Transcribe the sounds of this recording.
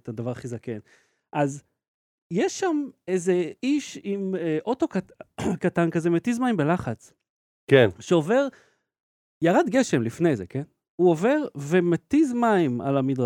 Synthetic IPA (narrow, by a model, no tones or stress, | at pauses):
tad̪avaʁaχizaken | ʔaz | jeʃːamejze̞iʃimʔo̞to̞kakatankazemetizmaimbelaχat͡s | kenʃeo̞ve̞ʁ | jaʁad̪ɡeʃe̞mlifne̞jzeken | uo̞ve̞ʁve̞met̪izmaima̰lamid̪ʁa